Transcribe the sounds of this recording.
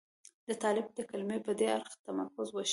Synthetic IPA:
d̪ət̪ɑlɪb̚d̪əkalmepəd̪eaɾxt̪amaɾkʊzwaʃ

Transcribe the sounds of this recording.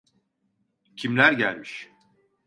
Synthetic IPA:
cʰimlʲæɾɟælʲmiʃ

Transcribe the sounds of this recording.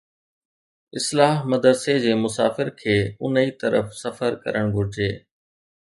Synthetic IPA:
ɪslaːɦmɐd̪əɾsed͡ʑeːmʊsaːfɪɾkʰeːʊ̰nit̪ɐɾə̰fsɐfəɾkɐ̰ɾəɽ̃ɡʱʊɾɪd͡ʑeː

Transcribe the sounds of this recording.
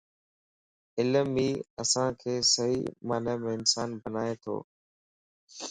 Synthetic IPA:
ɪləmiːəsãːkʰeːsəɦḭːmaːneːmẽːɪnsaːnbənaːet̪ʰo̰ː

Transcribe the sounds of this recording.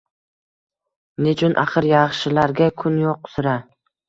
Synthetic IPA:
net͡ʃʰʊnʔaχɨɾjɑχʃɪlaɾɡʲakʰʊnjoq̚ːʊ̥sʊɾa

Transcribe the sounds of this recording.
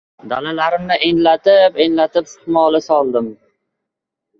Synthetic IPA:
d̪a̰lalaɾɪmnɪʔeŋlat̪ɪpeŋlat̪ɪpsɪ̥t̪mɒlˠɪsɒlˠd̪ɪm

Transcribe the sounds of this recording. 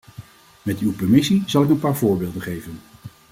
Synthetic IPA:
mɛtywpɛɹmɪsiz̥ɑlˠɪk̬ənpaːɹvʊːɹbeːlˠdəχejvən

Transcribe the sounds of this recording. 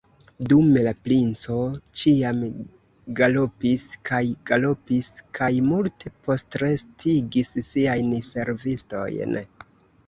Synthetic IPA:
dumelaplint͡so̞t͡ʃiam | ɡalopiskajɡ̥alo̞piskʰajmultʰe̞po̞stɾe̞stʰiɡissiajnse̞ɾvisto̞̰jn

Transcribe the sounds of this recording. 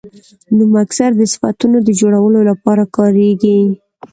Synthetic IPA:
numaksaɾd̪əsɪ̥fat̪unod̪əd͡ʒoɽawəlolapɑɾakɑɾeɡi

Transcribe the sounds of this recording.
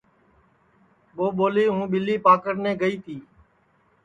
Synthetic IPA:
ɓoːɓoːliːɦũːɓɪliːpaːkəɾnẽːɡəiːt̪ʰiː

